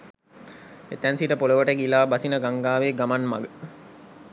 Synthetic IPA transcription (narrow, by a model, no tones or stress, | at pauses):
ḛt̪ænsiʈəpoləʋəʈəɡilaːbasinəɡaŋɡaːʋeːɡamanma̰ɡə